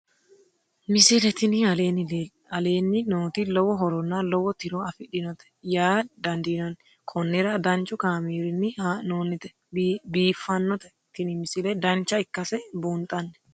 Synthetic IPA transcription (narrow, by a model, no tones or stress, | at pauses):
mɪsɪlɛt̪ɪnɪɐleːnɪlː | ɐle̞ːnːɪnoːt̪ilɔwɔɦɔɾɔnːɐlɔwɔt̪ɪɾɔɐfɪɗɪnɔt̪ɛ̥jaːd̪ɐnd̪inɐnɛ | kʰʼɔnːɛɾɐd̪ɐnt͡ʃʼːʊkaːmiːɾɪnːɪhanoːnːɪt̪ɛ̥ | biːfːɐnːɔt̪ɛ | t̪ɪnɪmɪsɪlɛd̪ɐnt͡ʃːɐɪkːɐsɛbuːnt̪ʼːɐnːɛ̥